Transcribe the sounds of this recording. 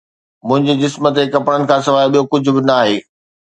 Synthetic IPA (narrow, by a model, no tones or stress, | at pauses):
mʊ̃ɦɪ̃ɲd͡ʑiːd͡ʑɪsmət̪ekɐpɽənɪ̆kʰãːsɐʋaːɪɓijokʊd͡ʑʱʊ̆bɪnaːɦeː